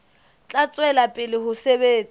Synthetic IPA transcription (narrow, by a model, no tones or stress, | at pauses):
t͡ɬʼat͡sʼwɛlapʼɪlɪhʊsebeːt͡sʼi